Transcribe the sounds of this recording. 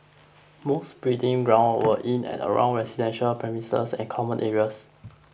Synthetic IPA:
mosbɹitĩŋɡɹãʊ̃nwəʔĩnɛ̰̃tə̰ɹã̰ʊ̃ŋɹɛsidɛ̃nʃəlpʰɹɛmisə̰sɛ̰̃nkʰɔmə̃nʔɛɹiəs

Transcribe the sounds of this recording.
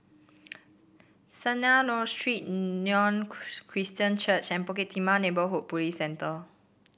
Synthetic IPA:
sənanɔstɹit̚ːɔ̃nkʰɹistə̃nt͡ʃət͡ʃɛ̃npɔket̪ʰimanebəɦoʔ̚pulisɛ̃nt̪ə

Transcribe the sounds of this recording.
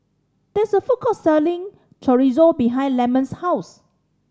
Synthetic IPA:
d̪̥ɛsəfukɔsɛlĩŋ | t͡ʃʰɔɹizobiɦãɪ̃ndlɛmə̃nshaʊs

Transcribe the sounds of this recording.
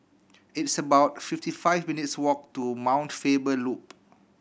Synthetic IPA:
itsəbawt̚fiftifaɪfminitswɔk̚tumãw̃ntfebəlup̚

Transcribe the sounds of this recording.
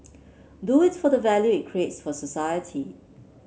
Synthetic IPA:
duɪtfɔdəvɛljuɪt̚kʰɹietsfɔsəsajətʰi

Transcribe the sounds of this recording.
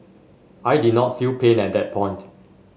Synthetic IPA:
ʔajdidnɔtfilpʰẽnɛt̚dɛt̚pʰɔ̃ɪ̃nt

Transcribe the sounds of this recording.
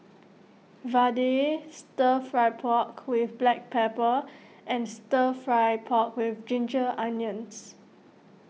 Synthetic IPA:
vadestəfɹajpʰɔkwɪfblɛk̚pʰɛpə | ʔɛ̃nstəfɹajpʰɔkwɪfd͡ʒĩnd͡ʒəʔãnjə̃ns

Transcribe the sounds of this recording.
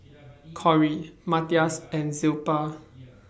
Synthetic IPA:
kʰɔɹimatiasɛ̃nzilpa

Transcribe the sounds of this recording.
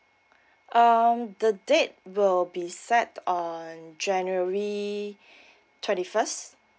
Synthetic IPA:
ʔʌmdədet̚wɪlbisɛtɔ̃nd͡ʒɛ̃njuəɹi | tʰwɛ̃ntifəst

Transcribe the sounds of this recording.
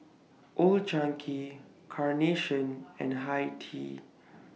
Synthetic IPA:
ʔold͡ʒãŋkʰi | kʰaɹneʃə̃nɛ̰̃nɦajtʰḭ

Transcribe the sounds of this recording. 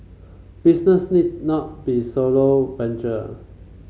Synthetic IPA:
b̥isnəsnid̚nɔt̚b̥isolobɛ̃nt͡ʃə

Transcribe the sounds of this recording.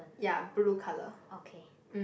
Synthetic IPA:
jabɾukʰaləokʰe | m̩

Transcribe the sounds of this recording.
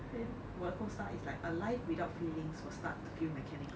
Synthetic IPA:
wəkə̃staʔɪslaɪkəlaɪfwidaʊtfiːlĩŋswəsta̰t̚dəfjumɛkʰɛnɪk

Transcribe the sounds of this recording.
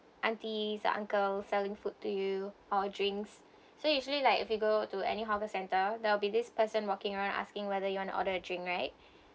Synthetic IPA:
ʔãntizə̰ʔã̰ŋkəlsɛlɪ̃ŋfutːujuɔədɹɪ̃ŋks | sojuʒəlilaɪkɪfjuɡotuɛ̰niɦɔvəsɛ̃ntədɛwlbidɪspəsə̃nwɔkɪ̃ŋəɹãʊ̃nda̰skɪ̃ŋwɛðəjuwɔ̃nṵʔɔ̰ɾəədɹɪ̃ŋkɹaɪt̚

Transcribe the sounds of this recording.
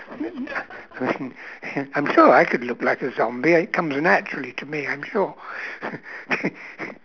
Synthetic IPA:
aɪmĩnãɪ̃mʃʊɹaɪkʰɨdˡlʊklaɪkɨzɑ̃mbiɪt̚kʰʌ̃mznæt͡ʃɹl̩ˠiɾɨmiãɪ̃mʃʊɹ

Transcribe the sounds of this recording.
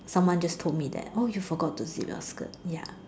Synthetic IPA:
sãmwãnd͡ʒʌstʰod̚mid̪ɛ̰t̚ojufɔɡɔtːuzḭlɔ̰skə̰ja̰

